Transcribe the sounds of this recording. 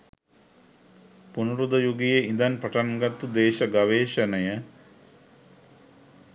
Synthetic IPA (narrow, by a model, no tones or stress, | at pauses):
punuɾud̪əjuɡijeind̪anpɐʈanɡat̪ud̪eːʃəɡaʋeːʃənəjə